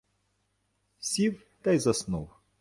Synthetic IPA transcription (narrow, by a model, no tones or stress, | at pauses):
sʲiv | t̪ajzɐsnṵlˠ